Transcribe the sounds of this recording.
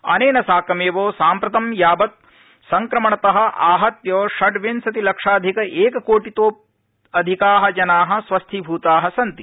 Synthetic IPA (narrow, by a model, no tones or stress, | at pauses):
ɐ̰neːnɐsaːkɐmeːʋoːsaːmpɾɐt̪ɐmjaːbɐt̪̚ | sɐŋkɾɐmɐɳɐt̪ɐɦɐ̆ʔaːɦɐt̪joːʃɐɖʋensɐt̪ilɐkʂaːd̪ʱikɐʔeːkɐkoːʈit̪oːp̚ | ɐd̪ʱikaːɦɐ̆d͡ʒɐnaːɦɐ̆sʋɐst̪ʰibʱuːt̪aːɦɐsɐnt̪i